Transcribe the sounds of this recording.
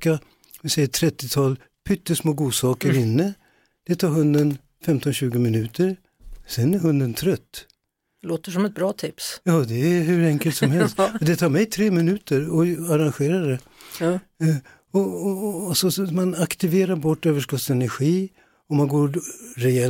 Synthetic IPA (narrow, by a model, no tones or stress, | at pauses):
ka | ɪsɛjːəʈ̪ʰɾɛt̪ːɪt̪ʰɑːl | pʰʏt̪ːəsmoːɡuːsɑːkəɾɪnːə | d̪̥ɛt̪ʰɑːɾɦɵnd̪ən | fɛmt̪ɔnɕʉ̟ːɡəmɪnʉ̟ːt̪ʰəɾ | sɛnæɾɦɵnd̪ənt̪ʰɾœt̪ː | loːt̪əʂɔmɛt̪̚bɾɑːt̪ʰɪpsjɑːd̪ɛæhʉ̟ɾɛŋkəlt̪sɔmɦɛlst̪ɔd̪ɛt̪ʰɑːɾmɛjt̪ʰɾeːmɪnʉ̟ːt̪əɾɔaɾanɧeːɾad̪ɛ | ɔ | sɔsmanakt̪ɪveːɾaɾbɔʈːøːvəʂkɔt̪sɛnæɾɧiː | ɔmanɡoːɾɾɛɛ